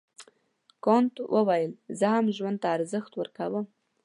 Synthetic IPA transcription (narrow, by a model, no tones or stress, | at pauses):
kont̪wʔəwajəlzəhamʒwand̪̚t̪aːɾzəxt̪wəɾkawəm